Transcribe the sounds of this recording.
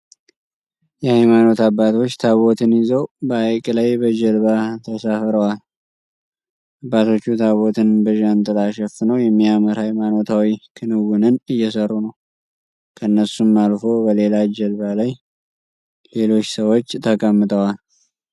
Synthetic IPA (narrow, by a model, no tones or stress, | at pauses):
jɛhajmano̞t̪abːat̪ot͡ʃːt̪ʰaβo̞t̪ʰɨnɪzəwbəajkʼlajbəd͡ʒɛlβat̪ʰəsafɾəwal | ʔabːat̪ʰo̞t͡ʃːut̪ʰaβo̞t̪ʰɨnbəʒant̪ʼɨlaʃɛfɨnəwjɛmːiaməɾhajmano̞t̪ʰawikʰɨnɨwʊnɨnɨjːɛsərːunəw | kʰəɨnːəsumːalfo̞bəle̞lad͡ʒɛlβalaj | le̞lo̞t͡ʃːsəwot͡ʃːt̪ʰəkʼəmːɨt̪ʼəwal